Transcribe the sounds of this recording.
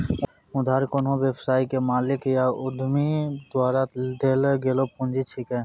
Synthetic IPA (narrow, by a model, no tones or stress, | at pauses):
ʊd̪ʱaːɾkonɦõbjəbsaːikemaːlɪkjaʊd̪ʱmid̪waːɾad̪eːlɡeːlopũnd͡ʒit͡ʃʰikɛː